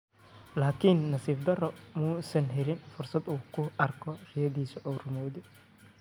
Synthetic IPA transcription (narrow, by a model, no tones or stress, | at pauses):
laːkʰinːɐsiːfd̪ɐrɔmuːsɐnɦɛlɪnfʊrsɐd̪uːkʰʊɐrkʰɔrɪjɐðiːsɔʔɔwrʊmɔːðɪ